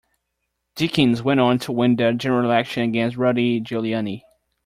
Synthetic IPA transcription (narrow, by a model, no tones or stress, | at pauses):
d̥ikɨ̃nzwɛ̃ɾ̃n̩tʰəwɪ̃ndɨd͡ʒɛnə˞l̩ˠækʃɨ̃nɨɡɛ̃nst̚ɹʌɾid͡ʒʉlˠjɑni